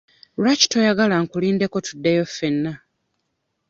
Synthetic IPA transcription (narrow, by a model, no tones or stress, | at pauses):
waci̥to̞jaɡalaŋkuliːndeko̞tudːejofːe̞nːa